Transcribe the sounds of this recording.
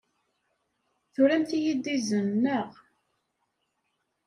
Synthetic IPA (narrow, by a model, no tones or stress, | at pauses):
θuɾæmθijid̪izənːəʁ